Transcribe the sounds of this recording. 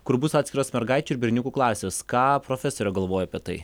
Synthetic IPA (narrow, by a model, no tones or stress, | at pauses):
kʊɾbʊsɑːt̪ʲsʲkʲɪɾoːsmʲɛɾɡɑɪt͡ʃʲuːɪɾbʲɪɾʲnʲʊkuːklˠɑːsʲeːskɑːpɾoːfʲɛsoːɾʲɛɡɐlˠʋoːjoɐpʲiɛt̪ɐɪ